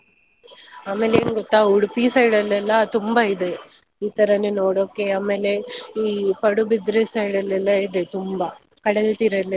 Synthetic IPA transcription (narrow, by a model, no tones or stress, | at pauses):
aːmeːleːnɡɔt̪ːaːuɽupiːsɐɽɐlːɛlːɐt̪umbaid̪e | iːt̪ɐɾɐnːenoːɽoːkːeaːmeːleiːpɐɽubid̪ɾesɐɽɐlːɛlːɐid̪et̪umbɐ | kɐɽɐlt̪iɾɐlːɛ